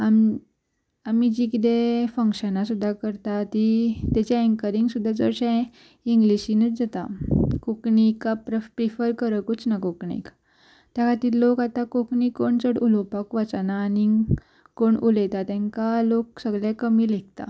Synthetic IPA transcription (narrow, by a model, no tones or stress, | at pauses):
am | amid͡ʑikit̪ẽfəŋkɕənasud̪ʱːakəɾt̪at̪it̪at͡ɕaeŋkəɾiŋɡsud̪ʱːat͡sə̰ɾɕã | iŋɡliɕinət͡sd͡zat̪akokɳikapɾəpɾifəɾkəɾəkut͡snakokɳḭk | t̪jakʰat̪iːllːokat̪akokɳikːoɳt͡səɽulopakʋat͡sanaːni | koɳulət̪at̪ɛ̃ŋkalok̚səɡɭjakəmiːlek̚t̪a̰